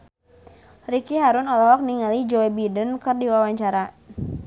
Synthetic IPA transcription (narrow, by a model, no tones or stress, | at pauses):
rikiɦaɾʊnɔlɔɦɔk̚niŋalid͡ʒɔwɛbidənkɨrdiwawaɲt͡ʃaɾa